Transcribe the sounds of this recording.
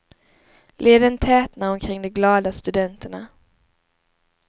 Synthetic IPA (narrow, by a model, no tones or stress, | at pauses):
lʔeːd̪ənt̪ʰɛːt̪naɾɔmkʰɾɪŋːd̪ɔmɡlɑːd̪ast̪ɵd̪ɛnt̪əɳa